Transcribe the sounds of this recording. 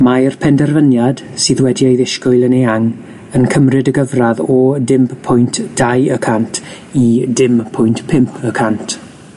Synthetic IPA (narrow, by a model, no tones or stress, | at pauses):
marpʰɛndɛrvənjad̥sɨːðwɛdiejðɪʃkʊɨlˠəneaŋ | ənkʰəmrɨdəɡəvraðɔdɪmppʰʊjntʰd̥ajəkʰantʰ | idɪmpʰʊjntpʰɪmpʰəkʰantʰ